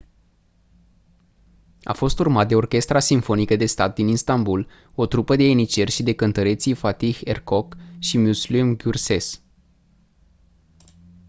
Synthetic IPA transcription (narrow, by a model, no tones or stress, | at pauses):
a̰fo̞st̪urmat̪̚d̪e̞o̞rkʲe̞st̪ɾasiɱfo̞nikəd̪e̞st̪at̪̚d̪ininst̪ambul | o̞t̪ɾupəd̪e̞enit͡ʃe̞rʲʃid̪e̞kənt̪əɾe̞t̪sifat̪iherko̞kʃimuslimɡʲurse̞s